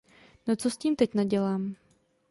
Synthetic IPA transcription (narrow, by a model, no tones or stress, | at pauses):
not͡sosciːmt̪ɛcnaɟɛlaːm